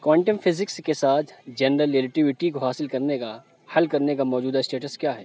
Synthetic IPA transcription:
kwaːɳʈəmfɪzɪkskesaːt̪ʰd͡ʒɛnɾəlelɪʈɪʋɪʈikoɦaːsɪlkɐɾneka | hɐlkɐɾnekamɔːd͡ʒuːd̪aɪsʈeːʈəskjaːɦɛː

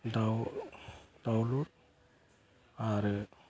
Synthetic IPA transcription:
daw | dawluɾ | aɾe

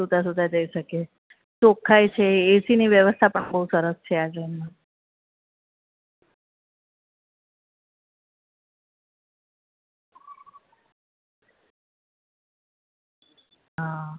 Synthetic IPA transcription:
ud̪as̬ud̪ʱad͡ʒəiʃəke | sokʰajt͡ʃʰeːsiniʋjəʋəst̪ʰapəɳbəɦusəɾəst͡ʃʰead͡ʒənmã | ɦa

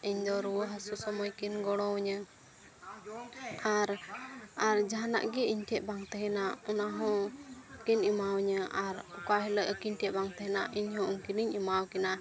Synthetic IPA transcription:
iɲd̪ɔɾuwəɦəsusɔmɔjkinɡɔɽ̃ɔ̃wɲə | aɾ | aɾd͡ʒaɦana̰ʔɡɛiɲtɛʔ̪̚baŋt̪ɛɦɛnaʔɔnaɦɔ̃kinimawɲəʔaɾɔkaɦɛləʔəkiɲʈɛʔbaŋt̪ɛɦɛnaʔiɲhɔ̃ʔuŋkiniɲimawkɛnaʔ

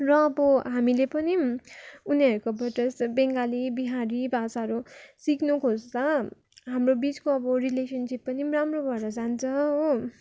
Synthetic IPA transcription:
rʌːbʌɦamilepʌni | uniʌɾukobʱʌʈʌsbeŋɡalibiɦaɾibʱasaʌɾusiknukʰosd̪ʌ | ɦamrobit͡skoʌbʌɾilesʌnsipːʌniramrobʱʌɽʌd͡zant͡sʰʌɦo

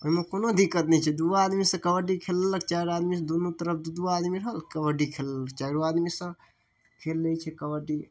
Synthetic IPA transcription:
oɦimekonod̪ʱikːət̪nɛt͡ʃʰɛd̪uad̪misə̃kəbəɖikʰelələkt͡ʃaɾad̪misə̃d̪onut̪əɾəp̚ʰd̪ud̪uad̪miɾəɦəlkəbəɖikʰeləlːək̚ʰt͡ʃajɾoad̪misə̃ | kʰelːət͡ʃʰɛkəbəɖi

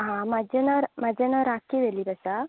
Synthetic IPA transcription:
ɦãmad͡ʑenaɾmad͡ʑenaɾakiʋeliːbəsa

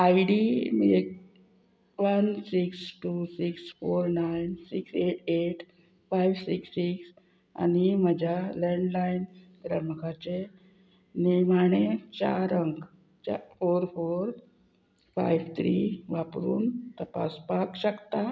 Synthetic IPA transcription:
ajɖimik | ʋənsiksʈusiksfoɾnajnsikseʈeʈ | fajʋsiksːiks | a̰niməd͡ʑʱaleɳɖlajnɡɾəməkat͡ɕe | niɾmaɳ̃et͡ɕa̰ɾəŋɡ | t͡ɕafoɾfoɾ | fa̰jʋt̪ʰɾiʋapɾuːnt̪əpa̰spakɕəkt̪a

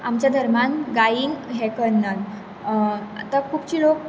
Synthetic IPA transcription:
amt͡ɕjad̪ʱəɾmanɡaiːnɦɛkənːa | a̰t̪akʰuːpt͡ɕiːlok

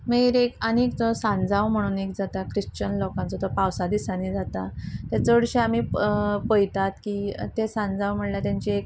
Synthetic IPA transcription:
meɾekanikt͡sɔsãnd͡zawm̤əɽ̃uːnek̚d͡zat̪akɾiɕt͡ɕənlɔkãnt͡sɔt̪ɔpawsad̪isanid͡zat̪at̪jat͡sɔuɽɕeam̤iːpəjt̪at̪kiːt̪esãnd͡zawm̤əɽljat̪jãɲt͡ɕiek

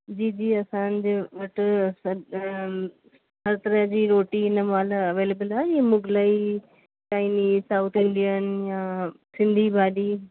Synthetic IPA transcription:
d͡ʑiːd͡ʒiːɐsãːnd͡ʒeʋɐʈs | ɦɐɾt̪əɾə̃d͡ʒiːɾoːʈiːnəmaːlɐʋeːlebəlajimʊɡlaiː | t͡ʃaːɪniːsaːʊt̪ʰɪ̃ɳɖijənjãːsɪ̃nd̪ʱiːbʱaːliː

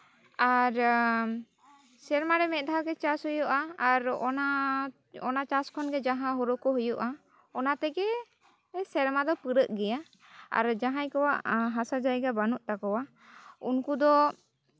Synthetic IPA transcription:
aɾ | sɛɾmaɾɛmɛt̪̚d̪aɡɛt͡ʃasɦɔjɔʔaːɾɔna | ɔnat͡ʃaskʰɔnɡɛd͡ʒaɦãɦɔɾɔkɔɦujɔʔa | ɔnat̪ɛɡɛ | sɛɾmad̪ɔpɨɾəʔɡɛja | a̰ɾd͡ʒaɦajkɔwaʔɦasad͡ʒajɡabanuʔt̪akɔwa | unkud̪ɔ

